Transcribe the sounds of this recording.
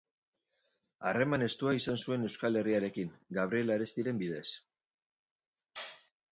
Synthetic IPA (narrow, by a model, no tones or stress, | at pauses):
are̞mane̞st̪uaisansue̞ne̞wskale̞riaɾe̞kiŋɡaβ̞ɾie̞laɾest̪iɾe̞mbið̞e̞s